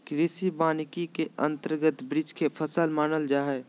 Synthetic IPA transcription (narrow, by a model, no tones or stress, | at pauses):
kɾɪːsibaːnɪkikeə̰̃nt̪əɾɡət̪bɾɪd͡ʒkepʰəsəlmaːnəld͡ʒaːɦɛː